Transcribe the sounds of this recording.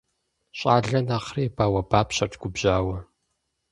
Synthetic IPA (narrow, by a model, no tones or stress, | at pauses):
ɕʼaːɮɐnaːχreːbaːwɐbaːpʰɕɐrʈ͡ʂʰʼɡʷʊbʑaːwɐ